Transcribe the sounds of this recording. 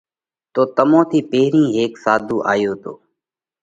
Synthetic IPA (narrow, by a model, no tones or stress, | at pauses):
t̪oːt̪əmõːt̪ʰiːpeːɾĩːɦeːksaːd̪ʱuːʔa̰ːjoːt̪o̰ː